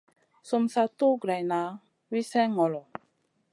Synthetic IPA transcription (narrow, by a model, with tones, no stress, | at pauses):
so˨msa˨to˦ɡɾa˨na˨˦ | wi˦sɛ̃˦ŋɔ˨lɔ˨